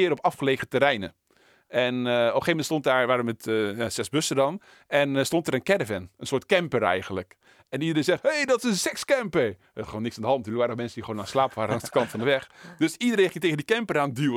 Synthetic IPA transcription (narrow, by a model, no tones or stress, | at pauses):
ɪəɾɔpɑfχəleːɣətəɾɛjnə | ɛnɔpəxeːvəmɛntstont̚daːɹʋaːɾəmɛtjasɛsbøsədɔn | ɛnstontəɾənkɛdəvɛnənsoːtkɛmpərɛ̰jɣənlək | ɛnidəɾensɛxthejdɔtɪsənsɛkskɛmpə | ətxəoːnɪksandəɦɑntntyːləkʋaːɾəəmɛnsəndixʋoːnaːnslaːpəʋaːɾəɑŋsdəkɑntfɔndəʋɛxdøsidəɾeːnxɪŋteɣəndikɛmpəɾaːndy